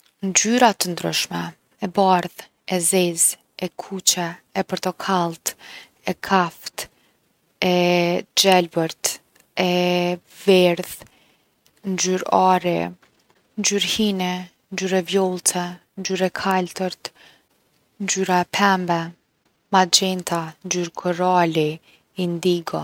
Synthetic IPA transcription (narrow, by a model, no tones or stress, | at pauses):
ɲd͡ʒyɾat̪ənd̪ɾə̰ʃmɛ | ɛbaɾð | ɛzɛz | ɛkʰut͡ɕɛːpɔɾt̪ɔkʰalˠt̪ | ɛkʰaft̪ | ɛd͡ʒɛlbəɾt̪ | ɛ | vɛɾð | nd͡ʒyɾaɾɛ̰ | ɲd͡ʒyɾhinɛ | nd͡ʒyɾɛvjɔlˠt̪ʰɛ | ɲd͡ʒyɾɛkʰalt̪əɾt̪ | nd͡ʒyɾaɛpʰɛmbɛ | mad͡ʒɛnt̪and͡ʒyɾkʰɔɾali | ind̪iɡɔ